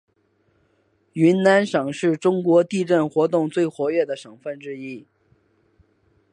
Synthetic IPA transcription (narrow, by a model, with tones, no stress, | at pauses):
y˧˥nna˧˥nʂɤ˨˩ŋʂɻ̩˥˩ʈ͡ʂʊ˥ŋkwɔ˧˥t̪i˥˧ʈ͡ʂə˥˩nxwɔ˧˥t̪ʊ˥˧ŋt͡swe˥˩ɪxwɔ˧˥ɥɛ˥˩d̪ə˩ʂɤ˨˩ŋfə˥˧nʈ͡ʂɻ̩˥˧i˥˩